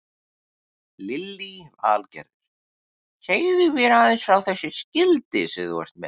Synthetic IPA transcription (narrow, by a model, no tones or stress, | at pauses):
lɪlːiva̰ːlcɛ̰ɾðɪɾ̥ | cʰeːjðʏvɛɾaːðɪnsfɾawθɛsːɪscɪlt̪ɪsɛðwɛ̰st̪mɛ̰